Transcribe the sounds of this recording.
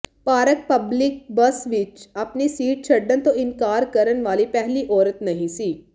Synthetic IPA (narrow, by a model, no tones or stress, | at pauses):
paːɾək̚pɐblɪk̚bɐsʋɪt͡ʃɐpnisiːʈ̚t͡ʃʰɐɖːənt̪õɪnkaːɾkɐɾənʋaːlipɛɦliʔɔːɾət̪nɐɦĩsiː